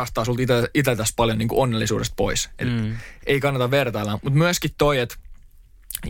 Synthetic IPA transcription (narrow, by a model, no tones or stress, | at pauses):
ɑst̪ɑːsult̪it̪æit̪æt̪æspɑljoniːŋkuʔonːelːisṵːdest̪̚po̰isḛt̪eikɑnːɑt̪ɑʋʋert̪ɑilːæmut̪myæskit̪t̪ːoiet̪